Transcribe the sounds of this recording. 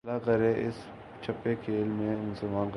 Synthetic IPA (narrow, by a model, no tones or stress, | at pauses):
lakɐɾeʔɪs | t͡ʃʰɐpːekʰeːlmẽmʊsəlmaːnk